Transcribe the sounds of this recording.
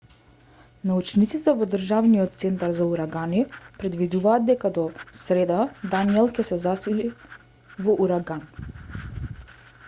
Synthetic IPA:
naut͡ʃnit̪sit̪ɛvɔd̪rʒavniɔt̪t̪sɛnt̪aɾzauɾaɡanipɾɛd̪vid̪uvaːd̪̚d̪ɛkad̪ɔsɾɛd̪ad̪aniɛlˠcɛsɛzasili | vɔʔuɾaɡan

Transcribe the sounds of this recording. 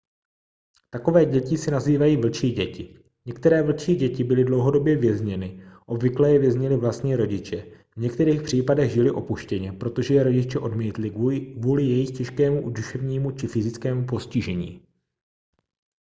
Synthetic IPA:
t̪ako̞vɛːɟɛcɪsɪnaziːvajiːvl̩t͡ʃiːɟɛcɪ | ɲɛkt̪ɛɾɛːvl̩t͡ʃiːɟɛcɪbɪlɪdlo̞wɦo̞do̞bjɛvjɛzɲɛnɪʔo̞bvɪklɛːjɛvjɛzɲɪlɪvlast̪ɲiːɾo̞ɟɪt͡ʃɛvɲɛkt̪ɛɾiːxpr̝̥iːpadɛɣʒɪlɪʔo̞puʃcɛɲɛpɾo̞t̪o̞ʒɛjɛɾo̞ɟɪt͡ʃɛʔo̞dmiːt̪lɪvuːlɪjɛjɪxcɛʃkɛːmuduʃɛvɲiːmut͡ʃɪfɪzɪt͡skɛːmupo̞scɪʒɛɲḭː

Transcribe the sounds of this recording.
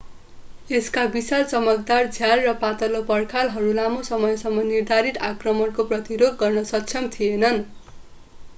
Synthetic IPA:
eskabisalt͡sʌmʌk̚d̪ard͡zʱjalrʌpat̪ʌlopʌrkʰalɦʌɾulamosʌmʌjsʌmːʌnird̪ʱaɾit̪akrʌmʌɽkoprʌt̪iɾoɡ̚ɡʌrnʌsʌkt͡sʰʌmt̪ʰienʌn

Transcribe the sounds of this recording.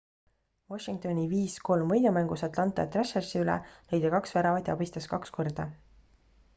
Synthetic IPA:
voʃiŋk̚t̪o̞nʲiviːsko̞lmvɤjd̪umæŋɡusɑt̪lɑnt̪ˑɑ̰t̪reʃersiylɛ̰lejd̪ekɑksveɾɑvɑt̪ʲjɑ̰bist̪ɑskɑksko̞rd̪̥ɑ

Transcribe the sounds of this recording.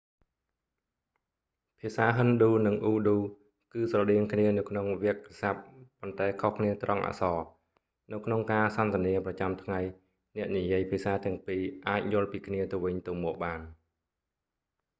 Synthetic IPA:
pʰiəsaːɦənɗuːnɨŋʔuːɗuː | kɨːsrɑɗiəŋkʰniənɨwkʰnoŋʋɛək̚ːasap̚ːont̪aɛkʰohkʰniət̪rɑŋʔa̰ːsɑː | nɨwkʰnoŋkaːsɑnt̪ɛ̆əniəprɑt͡ɕamt̪ʰŋaj | nɛ̆əʔnijiəjpʰiəsaːt̪ɛ̆əŋpiːʔaːc̚jʊ̆əlpiːkʰniət̪ɨwʋɨɲt̪ɨwmɔːʔ̚ɓaːn

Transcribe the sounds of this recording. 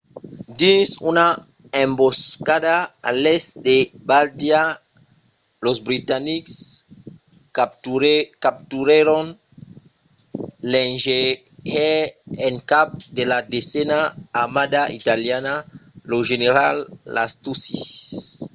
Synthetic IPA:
d̪insuna | ẽmboskadaːlesd̪ebald̪ja | lozbɾit̪aniks | kap̚t̪uɾeɾon | lenʒe | eeŋkap̚d̪elad̪esɛnaːmad̪ait̪aljanaloʒeneɾalːa̰st̪usis

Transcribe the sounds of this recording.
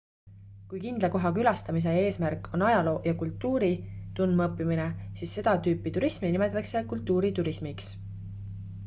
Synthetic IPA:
kujkind̪̥lɑko̞ɦɑkylɑst̪ɑmis̬e̞e̞ːsmærkːʰo̞nɑjɑlo̞ːjɑkult̪ːuːɾit̪unmɤpːimine̞siːsːe̞d̪̥ɑt̪yːpːit̪uɾisminime̞t̪ːˑɑkse̞kult̪ˑːuːɾit̪uɾismiks

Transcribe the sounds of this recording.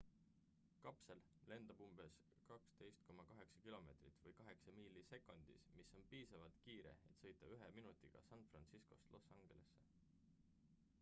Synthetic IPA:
kɑpse̞l | le̞nd̪̥ɑb̥umb̥e̞s | kɑkst̪e̞jst̪̚ko̞mɑkɑɦe̞ksɑ̥kilo̞me̞ːt̪rit̪ˑvɤjkɑɦe̞ksɑmiːlːise̞kːˑo̞nd̪̥ḭsmisːo̞npiːsɑvɑlt̪kiːɾe̞̰et̪sɤ̞jt̪ːˑɑyɦeminut̪ːˑiɡ̥ɑ̰sɑnfrɑnt̪siskost̪lʔo̞sːɑŋɡ̥e̞le̞̰sːe̞̥

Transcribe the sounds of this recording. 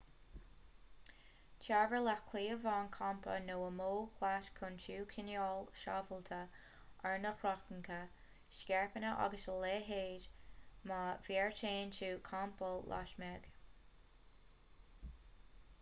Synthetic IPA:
t͡ʃʰaːvəlakʰliːəvaːnkʰampʰə̰noːəmoːkʰlaʃkʰʊnt͡ʃʰuːkʰɪnjɔːlʃa̰vəlt̪ʰə | ʔaɹnəxɹɔxənkʰə | ʃkʲɛɹpənəʔɑ̰ɡəsəleːɦeːdmavɛːɹtʰeːnt͡ʃuːkʰampəlla̰ʃmɛɡ̥

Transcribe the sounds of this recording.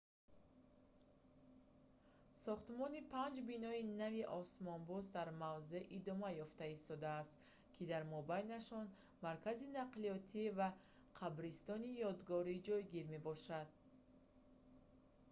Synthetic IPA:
sɔχt̪mɔnipʰand͡ʒbinɔinaviʔɔsmɔnbɔsd̪aɾmavze̞ʔid̪ɔmajɔft̪aist̪ɔd̪aːst̪ | kʰid̪aɾmɔbajnaʃɔnmaɾkʰazinaqliɔt̪ʰiva | qʰabɾist̪ɔnijɔd̪ɡɔɾid͡ʒɔjɡiɾme̞bɔʃad̪̥̚

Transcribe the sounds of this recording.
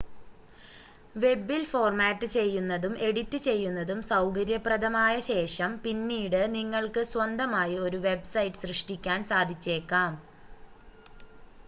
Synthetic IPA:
ʋe̞bːilfo̞ːrmaːtːɨt͡ɕe̞jːunːɐðume̞ɽitːɨt͡ɕe̞jːunːɐðumsɐwkɐɾjɐprɐd̪ɐmaːjɐɕe̞ːʂɐmpinːiːɽɨniŋːɐɭkɨswɐnd̪ɐmaːjio̞ɾuʋe̞bsɐjʈːɨ̥srɨʂʈikʲːaːnsaːd̪ʱit͡ɕːe̞ːkːaːm

